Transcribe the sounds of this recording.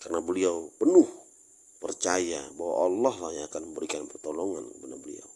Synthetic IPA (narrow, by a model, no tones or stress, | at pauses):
karənabəliawpənʊh | pərt͡ʃajabawa̰ʔːlːahlahjaakanməmbəɾikanpərt̪olɔŋankəbənabəlḭa̰w